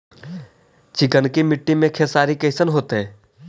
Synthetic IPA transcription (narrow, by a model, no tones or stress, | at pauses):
t͡ʃɪkənkimɪʈːimẽkʰeːsaːɾikeːsənɦoːt̪ɦɛː